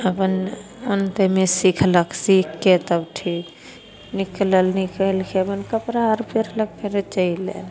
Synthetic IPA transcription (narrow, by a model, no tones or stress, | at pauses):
əpənənt̪emesikʰləksikːet̪əbʈʰik | nikləlnikəlkʰebənkəpɾaəɾpʰeɾlək̚pʰeɾet͡ʃəilḛn